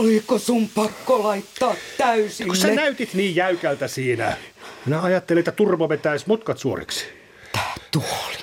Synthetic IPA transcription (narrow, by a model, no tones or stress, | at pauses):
olikosumpɑkːolɑit̪ːɑːt̪t̪ːæysikussænæyt̪it̪niːjjæykælt̪æsiːnæ̰minæɑjɑt̪ːeleet̪ːæt̪urʋoʋet̪æismot̪kɑt̪suo̰rḛksi̥ | t̪æ̥ːt̪uoli̥